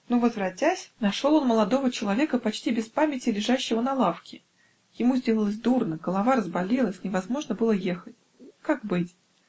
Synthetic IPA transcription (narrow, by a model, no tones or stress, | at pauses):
nuvəzvɾɐtʲæsʲnɐʂolˠo̞nməlˠɐd̪o̞vət͡ɕɪlˠɐvʲe̞kəpɐt͡ɕtʲibʲɪspamʲɪtʲɪlʲɪʐaɕːɪvənɐlˠafkʲɪ | jɪmuzʲdʲelˠəlˠəsʲd̪urnəɡəlˠɐvaɾəzbɐlʲilˠəsʲnʲɪvɐzmo̞ʐnəbɨlˠəje̞xətʲ | kak̚bɨtʲ